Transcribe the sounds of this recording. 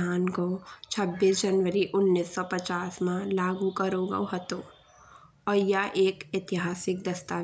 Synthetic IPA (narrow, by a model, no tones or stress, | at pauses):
aːnkot͡ʃʰəbːiːsd͡ʒənʋəɾiʔʊnːisːɔpət͡ʃaːsmãlaːɡukəɾoɡa̰ɦət̪o | ɔːɾjaʔeːkɪt̪ɪɦaːsɪk̚d̪ɐst̪a